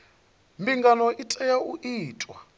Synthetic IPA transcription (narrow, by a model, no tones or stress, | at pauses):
mbiŋɡanɔʔitʼɛjauʔiːtʼwa̰